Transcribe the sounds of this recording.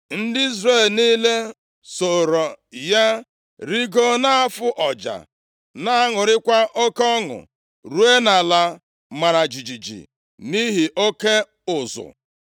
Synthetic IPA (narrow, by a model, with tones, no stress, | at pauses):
n̩˦dɪ˦i˦zre˦˨lni˦le˦ | so˨ɾo˨ja˦ | ɾi˦ɡo˦na˦a˦fʊ˦ʔɔ˨d͡ʒa̰˨ | na˦a˦ŋʊ˨ɾɪ˦kʷa˦ʔo˦kɔ˦ŋʊ̰˨ | ɾu˦e˦na˨la˨ | ma˨ɾa˨d͡ʒi˨d͡ʒi˨d͡ʒḭ˨ | ni˦ɦi˨ʔo˦ke˦ | ʊ˨zʊ̰˨